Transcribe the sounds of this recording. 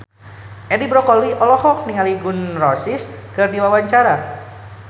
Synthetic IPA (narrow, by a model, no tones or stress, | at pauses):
ʔɛdibɾɔkɔliʔɔlɔhɔk̚niŋaliɡʊnrɔsiskɨrdiwawaɲt͡ʃaɾa